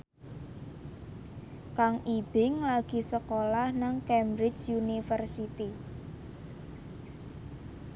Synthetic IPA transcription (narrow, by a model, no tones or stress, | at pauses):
kaŋʔib̥ɪŋlaɡ̥i̤səkolahnaŋkɛmbɾɪt͡ʃunifərsit̪i